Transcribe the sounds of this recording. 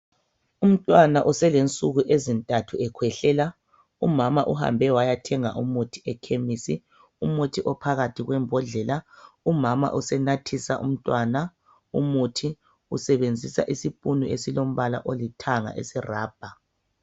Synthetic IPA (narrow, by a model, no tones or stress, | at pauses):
um̩tʼwanaʔusɛlent͡sʼuɣuʔezintʼatʰuɛkʰwɛɬɛla | umamaʔuha̰mbʱɛwajatʰɛŋaʔumutʰi̥ɛkʰemisi | umutʰiʔɔpʰaɣatʰiɣwɛmbʱɔɮɛlaumama̰ʔusɛnatʰisaʔṵm̩tʼwaːna | umutʰi | usɛβend͡zʱisa̰ʔisipʼunuʔesilom̩βala̰ʔolitʰaŋa̰ʔḛsiraːb̥ʱa